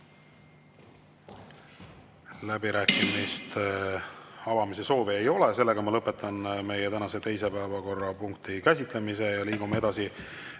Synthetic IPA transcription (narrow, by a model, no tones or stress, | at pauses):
læbiɾæːkˑimist̪e | ɑvɑmise̞so̞ːveejo̞le̞se̞lːe̞ɡ̥ɑmɑlɤpːˑe̞t̪ːˑɑnme̞jet̪ænɑse̞t̪e̞jse̞pæːvɑko̞rːɑpuŋk̚t̪ʰikæsʲit̪ˑle̞mise̞jɑliːɡ̥umee̞d̪ɑsi